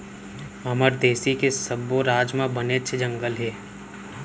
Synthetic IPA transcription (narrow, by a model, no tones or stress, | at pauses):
ɐməɾd̪eːsikesəboɾaːd͡ʒmãbənet͡ʃʰed͡ʒə̃ŋɡəlɦeː